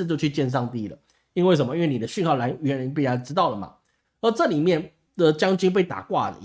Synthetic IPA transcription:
t͡ɕjo˥˧ʊt͡ɕʰy˥˧t͡ɕjɛ˥˧nʂ̬ɑ˥˧ŋt̪i˥˩lə̰˩ | i˥nwe˥˩ɪʂə˨˩nmə˦i˥nwe˥˩ni˨d̪ə˦ɕy˥˧nkʰɑ˥˩ʊla˧ɪɥɛ˧˥ni˧˥npi˥˩ja˨˩ʈ͡ʂɻ̩˥t̪ɑ˥˩ʊlə˩ma̰˨˩ | ə˧˦ʈ͡ʂɤ˥˨li˨˩mjɛ˥˩n | d̪̥ə˨˩t͡ɕjɑ˥ŋt͡ɕi˥ŋp̬e˥˩ɪt̪a̰˨˩kwa̰˥˩ə̰˩

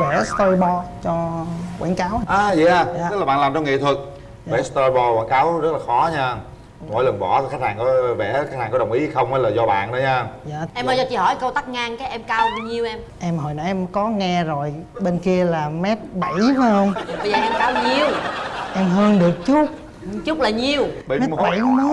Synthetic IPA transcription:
vɛ˧˩st̪o˧jɓɔ˧t͡ɕɔ˧kwḭ˧˩nkaː˨˦wʔaː˨˧jɛ˧˦aː˧˩˨ə˦˥laː˨˩ɓaː˧˨nlaː˨˩mt͡ɕɔ˧wŋḭ˧˨t̪ʰwə˨˩k̚ː | ɛ˧˩st̪ɔ˧ɓɔ˧kwa̰˧˩˦kaː˨˦wzə˦˥t̚laː˨˩xɔ˨˦ɲaː˧ | mo̰˨˧˩jlə˨˩ŋɓɔ˧˩xaː˦˥k̚haː˨˩ŋkɔ˨˦vɛ̰˧˩xa˦˥k̚haː˨˩ŋkɔ˨˦ɗə˨˩wŋ͡mʔi˨˦˨xə˧wŋ͡mhaː˨˦jlaː˨˩zɔ˧ɓa̰ː˧˨nɗə˨˦ɲaː˧jaː˧˨ʔɛ˧mʔəː˨˩zɔ˧˩t͡ɕḭ˧˩˦hɔ˧˩˦jkə˧wt̪a˦˥k̚ŋaː˧ŋkaː˨˦jʔɛ˧mkaː˧wɲi˨˩əwʔɛ˧m | ʔɛ˧mɦo̰˨jna˨˦ʔɛ˧mkɔ˨˦ŋɛ˧zo˨˩jɓe˧nki˧əlaː˨˩mɛ˦˥t̚ɓə˧˩jma˨˦hə˧wŋ͡mɓə˧zəː˨˩ʔɛ˧mkaː˨˦wɲi˨˩əwʔɛ˧mɦəː˧nɗɨ˨˩ək̚t͡ɕu˦˥t̚ | t͡ɕʊ˦˥k͡p̚laː˨˩ɲi˨˩əwə˧˦mɛ˦˥˧ɓə˨˧˩jkː

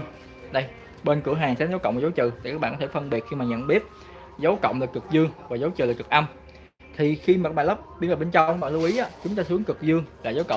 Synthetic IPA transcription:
ɗə˧j | ɓe˧nkɨ˧˩əɦaː˨˩ŋsɛː˨˦˥nzaː˨˦wkə̰˧˨wŋ͡mmː˨˩za˨˦wt͡ɕɨ̰˧˨t̪a˨kaː˦˥ɓaː˧˨kɔ˦e˧˩fə˧nɓi˨˩t̚xi˧maː˨˩ɲə̰˧˨nɓi˦˥ət̚ | zə˨˦wkə̰˧˨wŋ͡mlaː˨˩kɨ˨˩k̚zɨ˧əŋvaː˨˩zə˨˦wt͡ɕɨ̰˧˨laː˨˩kɨ˨˩k̚ʔa˧m | t̪ʰi˨˩xi˧maː˨˩a˦˥ɓaː˧˨lə˦˥p̚ɓi˧nʔəː˨˩ɓe˧nt͡ɕa˧wk̚ːɓaː˧˨˩lu˧wʔi˨˦ʔaː˨˦˥t͡ɕʊ˨˦ŋ͡mt̪aː˧˩sɨ˨˦əŋkɨ˨˩k̚zɨ˧əŋlaː˨˩za˨˦wkə̰˧˨

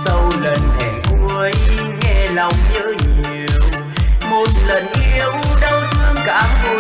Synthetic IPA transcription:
sə˧wlə˨˩nt̪ʰɛ̰˧˩ku˧˩əjŋɛ˧la˨˧˩wŋ͡mɲə̰ː˧˥ɲi˨əw | mo˨˩t̚lə˨˩nʔi˧˨əwɗə˧wt̪ɨ˧əŋkaː˧˦ku˧

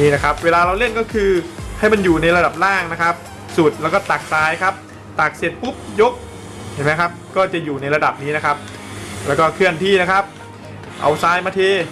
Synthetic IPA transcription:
niː˥˩na˦˥kʰa˦˥p̚weː˧laː˧ɾa˧wle˥˩nkɔː˥˩kʰɯː˧ha˥˩jma˧njuː˨˩na˧jɾa˧da˨˩p̚ɾaː˥˩ŋna˦˥kʰa˦˥p̚ | su˨˩t̪̚lɛː˦˥wkɔː˥˩t̪a˨˩k̚saː˨˦˥jkʰa˦˥p̚ | t̪aː˨˩k̚se˨˩t̪̚pu˦˥p̚jo˦˥k̚ | t͡ɕʰa˨˩ma˦˥jkʰa˦˥p̚kɔː˥˩t͡ɕa˨˩juː˨˩na˧jɾa˧da˨˩p̚niː˦˥na˦˥kʰa˦˥p̚ | lɛː˦˥wkɔː˥˩kʰɯ˥˩ənt̪ʰiː˥˩na˦˥kʰa˦˥p̚ | ʔa̰˧wsaː˨˦˥jmaː˧t̪ʰeː˧

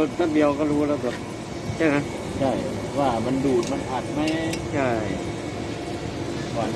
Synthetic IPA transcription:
t̪ʰaː˥˩bi˧ə˧wkɔː˥˩ɾuː˦˥laː˧˩bɛː˨˩p̚ | t͡ɕʰa˥˩kʰa˦˥ | t͡ɕʰa˥˩j | waː˥˩ma˧nduː˨˩t̪̚ma˧nʔa˨˩t̪̚ma˦˥jt͡ɕʰa˥˩j | kɔː˨˩n

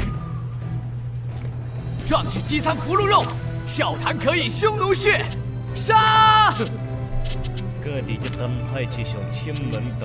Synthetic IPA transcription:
ʈ͡ʂwa˥˧ŋʈ͡ʂɻ̩˥˩t͡ɕi˥t͡sʰa˥ŋxu˧˥lu˥˧ɻo˥˩ŋ | ɕjɑ˨˩ʊt̪ʰa˧˥nkʰɤ˧˥i˨˩ɕjʊ˥ŋnu˧˥ɕɥɛ˥˩ | ʂa˥ | kɤ˥˩t̪i˨˩t͡ɕjo˥˩t̪a˥npʰa˥˧ɪt͡ɕʰy˥˩ɕjo˨˩ʊt͡ɕʰi˥nmə˧˦˥nt̪

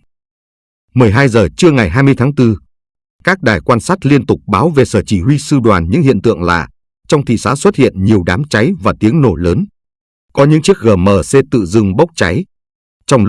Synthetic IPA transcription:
mɨ˨˩əjɦaː˧jzəː˨˩t͡ɕɨ˧əŋa˨˩jɦaː˧jmɨ˧əjt̪ʰaː˨˦ŋt̪ɨ˧ | kaː˦˥k̚ɗaː˨˩jkwaː˧nsaː˦˥t̚li˧ənt̪ʊ˨˩k͡p̚ɓaː˨˦wve˨˩səː˧˩t͡ɕi˧˩hwi˧sɨ˧ɗwaː˨˩nɲɨ̰˧˥ŋhḭ˧˨ənt̪ɨ̰˧˨əŋla̰ː˧˨ | t͡ɕɔ˧wŋ͡mt̪ʰḭ˧˨saː˨˦swə˦˥t̚hḭ˧˨ənɲi˨˩əwɗaː˨˦mt͡ɕa˨˦jvaː˨˩t̪i˨˦əŋno˧˩ləː˨˦n | kɔ˨˦ɲɨ̰˧˥ŋt͡ɕi˦˥ək̚ɣəː˨˩məː˨˩se˧t̪ɨ̰˧˨zɨ˧ŋɓə˦˥wk͡p̚t͡ɕa˨˦j | t͡ɕɔ˧wŋ͡m

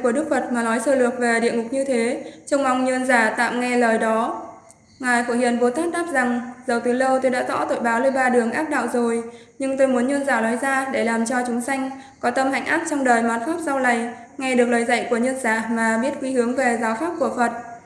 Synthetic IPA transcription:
ku˧˩əɗɨ˦˥k̚fə˨˩t̚maː˨˩lɔ˨˦jsəː˧˩lɨ˨˩ət̚ve˨˩ɗḭ˧˨əŋʊ˨˩k͡p̚ɲɨ˧t̪ʰe˨˦t͡ɕə˧wŋ͡mma˨˧˩wŋ͡mɲə˧nzaː˧˩t̪a̰ː˧˨mŋɛ˧ləː˨˩jɗɔ˨˦ | ŋaː˨˩jfu˧˩hwḭ˧˨ənɓo˨˦t̪aː˦˥k̚ɗ̪aː˦˥p̚za˨˩ŋzə˨˩wt̪ɨ˨˦lə˧wt̪o˧jɗa̰ː˧˥t̪ɔ̰˧˥t̪o̰˧˨jɓaː˨˦wle˧ɓaː˧ɗɨ˨˩əŋʔaː˦˥p̚ɗa̰ː˧˨wzo˨˩j | ɲɨ˧ŋt̪o˧jmu˨˦ənɲə˧ənzaː˧˩lɔ˨˦jzaː˧ɗe˧˩laː˨˩mt͡ɕɔ˧t͡ɕʊ˨˦ŋ͡msa˧jŋ̟ | kɔ˨˦t̪ə˧mha̰˧˨jŋ̟ʔa̰ː˦˥p̚t͡ɕɔ˧wŋ͡mɗəː˨˩jmaː˨˩n̚faː˦˥p̚za˧wla˨˩j | ŋa˧ɗɨ˨˩ək̚ləː˨˩jzə̰˧˨jku˧˩əɲə˧nzaː˧˩maː˨˩ɓi˦˥ət̚kwi˨˦hɨ˨˦əŋve˨˩zaː˨˦wfaː˦˥p̚ku˧˩əfə˨˩t̚

